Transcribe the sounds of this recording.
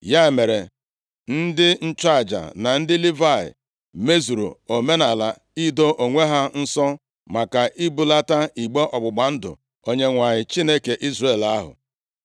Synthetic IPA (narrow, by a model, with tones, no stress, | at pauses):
ja˦˨me˨ɾe˨ | n̩˦dɪ˦n̩˦t͡ʃa˦˨d͡ʒa̰˨na˨n̩˦dɪ˦li˦va˦˨ɪ̰˨ | me˦zu˨ɾo̰˨o˨me˦na˨la˨ | i˦do˦ʔo˨ŋʷe˦ɦa˦n̩˦sɔ˦ | ma˨ka˨ʔi˦bu˦la˦ta˦i˨ɡ͡be˦ʔɔ˨ɡ͡bʊ˨ɡ͡ba˨n̩˦dʊ̰˨ | o˦ɲe˦ŋʷa˨ɲɪ˨t͡ʃi˦ne˦ke˨ʔi˦zre˦˨la˦ɦʊ̰˨